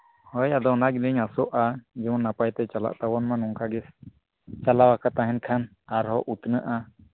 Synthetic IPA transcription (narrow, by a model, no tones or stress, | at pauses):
hɔjad̪ɔnaɡinɛɲasɔʔad͡ʒɛmɔnːapajt̪ɛt͡ʃala̰ʔt̪awɔnmanɔŋkʰaɡɛs | t͡ʃalawakat̪aɦɛnkʰan | aɾɦɔʔut̪nəʔa